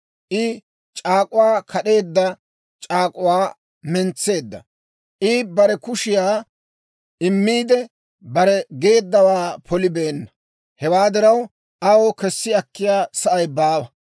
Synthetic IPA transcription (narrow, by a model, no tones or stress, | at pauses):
ʔɪ | t͡ʃʼaːkʼʊwaːkʰɐɗe̞ːd̪ːɐ | t͡ʃʼaːkʼʊwaː | mɛnt͡sːe̞ːd̪ːɐ̰ | ʔɪbɐɾɛkʊʃɪjaː | ɪmːiːd̪ɛ | bɐɾɛɡe̞ːd̪ːɐwaːpʰɔlɪbeːnːɐ̥ | hɛwaːd̪ɪɾɐw | ʔɐwokɛsːɪɐkːɪjaːsɐʔɐjbaːwɐ